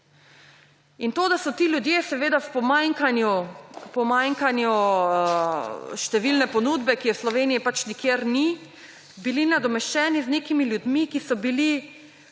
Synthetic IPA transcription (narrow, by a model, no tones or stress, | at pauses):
int̪oːd̪asɔt̪iljud̪jesɛʋeːd̪awpɔmaŋkanjupɔmaŋkanju | ʃt̪ɛʋilnɛpɔnuːd̪bɛkijɛwslɔʋeːniipat͡ʃnikjeɾni | bilinad̪ɔmɛʃt͡ʃɛːnizneːkimiljud̪mikisɔbili